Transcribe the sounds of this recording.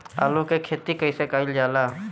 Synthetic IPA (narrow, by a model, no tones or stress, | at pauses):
a̰ːlukekʰet̪ikəisekaːɪld͡ʒaːlaː